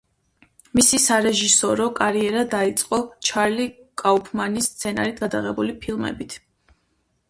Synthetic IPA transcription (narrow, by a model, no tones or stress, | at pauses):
misisaɾɛʒisɔɾɔkʼaɾiɛɾad̪ait̪sʼqʼɔt͡ʃʰaɾlikʼaupʰmanist̪sʰɛna̰ɾit̪̚ʰɡad̪aʁɛbulipʰilˠmɛ̰bit̪ʰ